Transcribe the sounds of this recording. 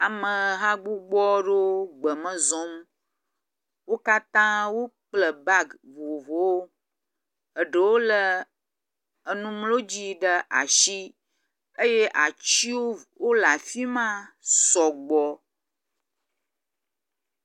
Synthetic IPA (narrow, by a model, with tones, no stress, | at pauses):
a˨mə̃˨ɦa˦ɡ͡bu˦ɡ͡bɔ˦ɖo˦ɡ͡bə˨mə̃˦zɔ̃˨˦m˦ | wo˦ka˦t̪ã˦wo˦k͡plə˨ba˦ɡvo˨vo˨wo˦ | ə˨ɖə˨wo˦lə˦ | ə˨nũ˦mlo˦d͡ʑi˦ɖə˦ʔa̰˨ʃi˦ | ə˦je˦ʔa˨t͡ʃi˦wo˦wo˦la˨fi˦mã˦sɔ˨ɡ͡bɔ˦